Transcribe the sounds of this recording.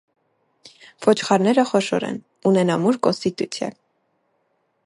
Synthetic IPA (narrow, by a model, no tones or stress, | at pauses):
v̥ɔt͡ʃʰχɑɾnɛɾəχɔʃɔ̰ɾɛ̰n | unɛnɑmuɾkɔnst̪it̪ut͡sʰjɛ̰